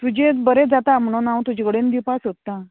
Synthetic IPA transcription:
t̪ud͡ʑebəɾed͡zat̪am̤ɳonawt̪ud͡ʑeɡəɽend̪ipasɦot̪ːa

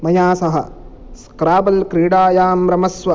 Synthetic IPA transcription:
mɐjaːsɐɦɐ̰ | skɾaːbɐlkɾiːɽaːjaːmɾɐmɐsʋɐ

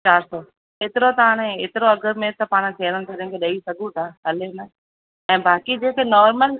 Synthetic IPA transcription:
t͡ɕaːɾsɔː | eːt̪ɪɾot̪ɐaːɽ̃ẽeːt̪ɪɾoɐɡəɾmẽt̪ɐpaːɽ̃t̪ʰeːɽənt̪ɐɾɪ̃kʰeɗɐisɐɡʱũt̪ʰaːɦɐleme | ɛ̃ːbaːkid͡ʑeːkʰenɔːɾməl

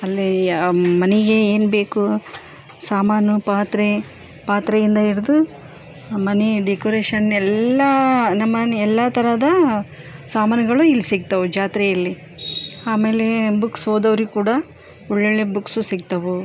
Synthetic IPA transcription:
ɐlːi | mɐnɛɡeeːnbe̞ːku | saːmaːnupaːt̪ɾe | paːt̪ɾɐjind̪ɐiɾid̪u | mɐniɖekoɾeːʃɐnɛlːɐnɐmːɐɛlːɐt̪ʰɐɾɐd̪ɐ | saːmaːnɐɡɐɭuilːisiɡ̚t̪ɐʋud͡ʒaːt̪ɾɛjɐlːi | aːme̞ːle̞buksɦoːd̪ɐʋɐɾukuːɽɐ | uɭːeɭebuksusiɡ̚t̪ɐʋu

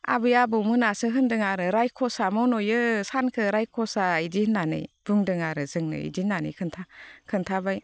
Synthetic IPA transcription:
a̰bɯjabɯmɯnasɯɦɯndɯŋaɾɯɾajkʰɔsamɔwnojɯsankʰɯɾajkʰɔsaid͡ʒinanɯ̰jb̥uŋdɯŋaɾɯzɯŋnɯ̰ḭd͡ʒinanɯ̰jkʰɯntʰakʰɯntʰabaj

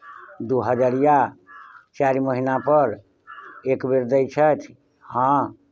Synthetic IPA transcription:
d̪uɦəd͡ʒaɾija | t͡ʃaɾiməɦinapəɾ | ekbeɾd̪əjt͡ʃʰət̪ʰ | hã

